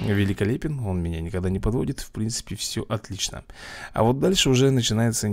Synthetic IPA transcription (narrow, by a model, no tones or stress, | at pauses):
vʲɪlʲɪkɐlʲepʲɪno̞nmʲɪnʲanʲɪkɐɡd̪anʲɪpɐd̪vo̞̰dʲɪt̪fpɾʲint̪sɨ̥pʲɪfsʲɵʔɐt̪lʲit͡ɕnə̰ɐ̰vo̞t̪̚d̪alʲʂɨʊʐɛnət͡ɕɪnajɪt̪sə